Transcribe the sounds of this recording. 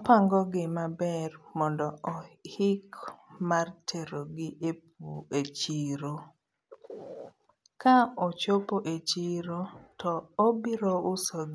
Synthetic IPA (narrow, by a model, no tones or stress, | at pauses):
paŋɡɔɡɪmabɛrmɔndɔɔhɪkmartʰeɾoɡɪʔep̚uet͡ʃiɾo | kaɔt͡ʃopoʔet͡ʃiɾotʰɔobɪɾoʊsoɡ